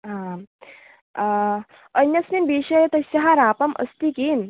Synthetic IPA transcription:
ɦã | ənjəsminbiɕəjt̪əsɐɦaɾaːpəmʔə̰st̪ikin

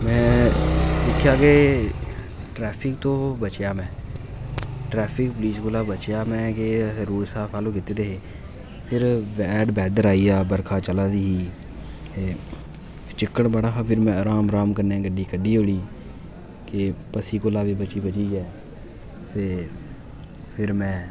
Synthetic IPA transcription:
mɛ̃ː | dɪkʰjaːɡeː | ʈɾɛːpʰɪk̚t̪oːbət͡ʃjaːmɛ̃ː | ʈɾɛːpʰɪkpliːskoːlaːbət͡ʃjaːmɛ̃ːkeəɾuːɾsaːfʰaːloːkɪt̪eːd̪eɦeː | pʰɪɾʋɛːɖbɛːd̪əɾaːiːaːbəɾkʰaːt͡ʃəlaːd̪iːɦiː | t̪eː | t͡ʃɪkːəɳbəɽaːkapʰɪɾmɛ̃ːəɾaːmɾaːmkəɾnɛ̃ːɡəɖiːkəɖiːɦoːɽiː | keːpəsiːkoːlaːbiːbət͡ʃiːbət͡ʃiːd͡ʒɛː | t̪eː | pʰɪɾmɛ̃ː

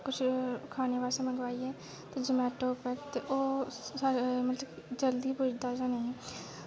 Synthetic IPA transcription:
kʊt͡ʃʰkʰaːneʋaːsẽmə̃ŋɡʋaːiɦɛː | t̪ed͡ʒɪmɛːʈoːpɛkt̪eʔoːamət̪ləbd͡ʒəld̪ibʊd͡ʒd̪ad͡ʒanẽɛ̃ː

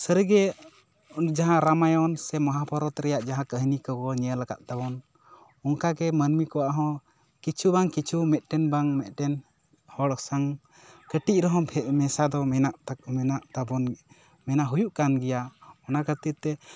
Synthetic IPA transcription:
səɾɡɛ | d͡ʒaɦãɾamajɔnsɛməɦapɔɾɔt̪ɾɛjaʔd͡ʒaɦãkəɦnikɔkɔɲɛəlaɡa̰t̪̚t̪abɔn | ɔŋkaɡɛmənmikɔwaʔɦɔ̃ | kit͡ʃʰubaŋkit͡ʃʰumɛt̪̚ˀʈɛnbaŋmɛt̪̚ʈɛn | hɔɽɔsaŋ | kəʈic̪̚ɾɔɦɔ̃bmɛsad̪ɔmɛnaʔ̪ɛnaʔt̪abɔn | mɛnaɦujuʔkanɡɛjaɔnakət̪it̪ɛ

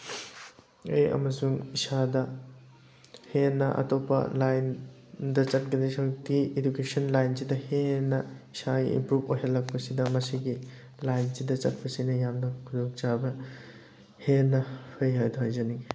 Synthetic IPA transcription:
eɐ̰mɐsuŋisadɐ | henːɐ̰ʔɐ̰topɐ̰lajn | dɐt͡ʃɐt̚ɡɐdisʰɐwtiedukesɐnlajnsidɐhenːɐisaɡḭḭmpɾubojɦɐlːɐk̚pɐsidɐmɐsiɡi | lajnsidɐt͡ʃɐt̚pɐsinɐjamnɐkʰudokt͡ʃabɐ | henːɐpʰɯjɦajdoɦajzɐni

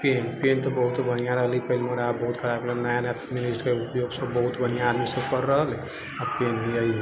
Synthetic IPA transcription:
penpent̪ɔbəɦut̪bʱənijaɾəɦəlipəɦilmeɾaːbbəɦut̪kʰəɾabklenajanat̪ʰiminisʈkeupjoɡsəbbəɦut̪bʱənijaːd̪misəbkəɾːəɦəl | apenbiəi

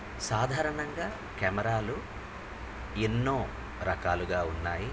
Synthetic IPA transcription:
saːd̪ʱaːɾɐɳɐŋɡaː | kɛmɐɾaːlu | enːoː | ɾɐkaːluɡaːunːaːji

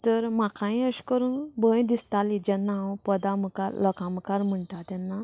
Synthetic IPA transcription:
t̪əɾmakʰãĩəɕkəɾuːnbə̃jd̪ist̪alid͡ʑɛnːawpəd̪amkaɾləkãmkaɾm̤əɳʈat̪ɛnːa

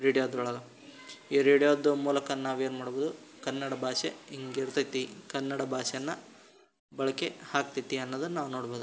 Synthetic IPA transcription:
ɾeːɽijod̪ɾɐɭɐlɐ | iɾeːɽijoːd̪umuːlɐkɐnːaːʋeːnmaːɽboːd̪ukɐnːɐɽɐbʱaːʃeiŋɡeɾt̪ɐt̪ːikɐnːɐɽɐbʱaːʃɐjɐnːɐ | bɐɭɐkehaːk̚t̪it̪ːiɐnːod̪ɐnnaːʋnoːɽboːd̪u

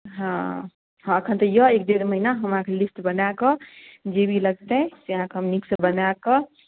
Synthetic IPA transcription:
ɦã | ɦəkʰənt̪əjəek̚ɖeɾməɦinaɦəmãkʰelisʈbənakəd͡ʒebʱiləɡ̚t̪ɛseɦãkʰeɦəmniksəbənakə

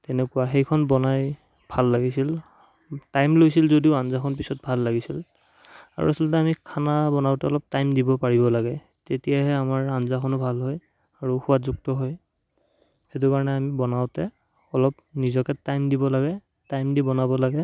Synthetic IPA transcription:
tɛnɛkʊwaxejkʰɔnbɔnaj | bʱalːaɡisil | tajmlojsilzodiʊanzakʰɔnpisɔt̚bʱalːaɡisil | a̰ɹṵasɔlt̬ɛamikʰanabɔnawtɛɔlɔp̚tajmdibɔpaɹibɔlaɡɛ | tetijaɦɛamaɹanzakʰɔnʊbʱalɦɔj | aɹuxuwatzuk̚tɔɦɔj | hetukaɹɔnɛamibɔnawtɛ | ɔlɔp | nizɔkɛtajmdibɔlaɡɛ | tajmdibɔnabɔlaɡɛ

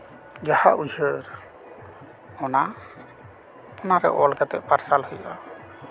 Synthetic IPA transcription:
d͡ʒahaʔuhəɾ | ɔna | ɔnaɾɛ̰ʔɔlkat̪ɛ̰ʔ̚paɾsalhɔjʔa

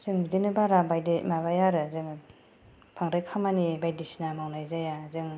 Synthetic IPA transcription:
zɯŋbidinɯbaɾabajdimaβajaɾɯzɯŋ | pʰaŋɾajkʰamanibajdisinamawnajzajazɯŋ

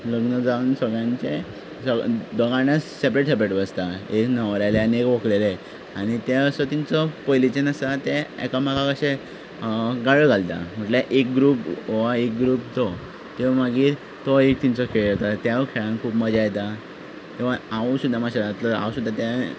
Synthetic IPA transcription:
ləɡnəd͡zauːnsəɡɭjãɲt͡ɕe | səd̪əɡaɳjasep̬ɾeʈsep̬ɾeʈbəst̪aeknəʋɾajleaniekʋoklele | aɽ̃it̪eəsɔt̪iɲt͡sɔpojlit͡ɕenəsat̪eḛkamaɡakəɕẽ | ɡaɭəɡʱalt̪a̰m̤əʈleʔek̚ɡɾuːpʋaek̚ɡɾuːpt̪ɔ | t̪emaɡiːɾ | t̪oek̚t̪int͡sɔkʰeɭət̪at̪jaʋəkʰeɭãnkʰuːpməd͡ʑajt̪a | k̪ĩw̃ʋ̤aausud̪ʱːamaɕat̪ləa̰ʋəsud̪ʱːat̪ja

